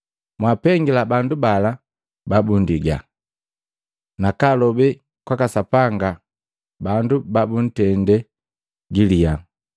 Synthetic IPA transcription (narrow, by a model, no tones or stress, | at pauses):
mwapɛŋɡilabandubala | babundiɡa̰ | nakalɔbɛ | kwakasapaŋɡa | bandubabun̩tɛndɛ | ɡilia